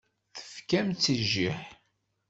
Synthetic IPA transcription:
θə̥fkæmt͡sːəʒːiħ

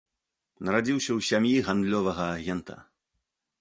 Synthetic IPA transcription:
nɐɾad͡zʲiwsʲɐwsʲamjiɣand̪lʲɔvɐɣɐːɣʲɛnt̪ɐ̰

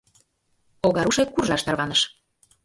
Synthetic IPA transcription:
oɣɑɾuʃekkurʒɑʃt̪ɑrβɑnɤʃ

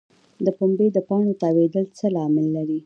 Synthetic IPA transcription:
d̪əpombed̪əpɑnot̪ɑwed̪əlt͡səlɑmɪlːaɾi

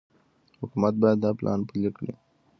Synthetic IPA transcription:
hʊkumat̪̚bɑjad̪ːɑplʔɑ̰npəlikɽḭ

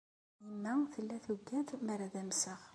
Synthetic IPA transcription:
imːæθəlːæθuɡːæd̪mæɾæðæmsəʁ

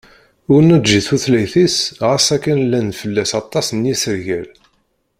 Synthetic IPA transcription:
ʊɾnæʒiθuθlæjθisʁəsækːænlːænt̪fəlːæsɑt̪ˤːɑsnjisəɾʝæl

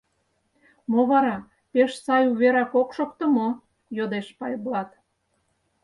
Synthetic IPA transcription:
moβɑɾɑ | peʃsɑjuβeɾɑkokʃokt̪ə̆mo | jod̪eʃpɑjblɑt̪

